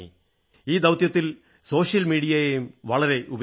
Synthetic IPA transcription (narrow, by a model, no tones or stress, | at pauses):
ḭ | iːd̪ɐʋt̪jɐt̪ːil | so̞ːʂjɐlmiːɽijɐjejumʋɐɭɐɾe̞ʔub